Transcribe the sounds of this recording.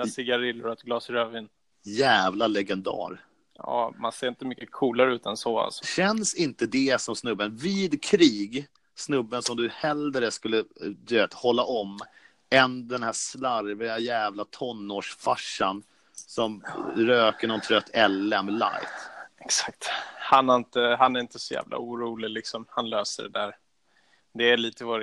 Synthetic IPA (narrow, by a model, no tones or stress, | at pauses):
asɪɡaɾɪlːʊɾaɛt̪ɡlɑːsɾøːvɪn | jæːvlalɛɡɛnd̪ɑ̰ːɾ | jɑ̰ːma̰nseːɾɪnt̪əmʏkːəkʰuːlaɾəʉːt̪ɛnsɔa̰lsɔ̥ɕɛnsɪnt̪əd̪ɛsɔmsnɵbːənviːd̪kʰɾiːɡ | snɵbːənsɔmd̪ɵhɛld̪ɾəskɵlːəd̪ɵveːt̪hɔlːaʔɔmː | ɛnd̪ɛnhæːslaɾvɪajæːvlat̪ʰɔnːoːʂfaʂːan | sɔmɾøːkəɳɔnt̪ʰɾœt̪ːɛlːɛmla̰jt̪ɛksḁk̚t̪hanɛɾɪnt̪əhanæɾɪnt̪əsɔjæ̰ːvlʔa̰uːɾuːlɪlɪksɔmhanløːsəɖɛd̪æːɾ | d̪ɛːliːt̪əvɔɾ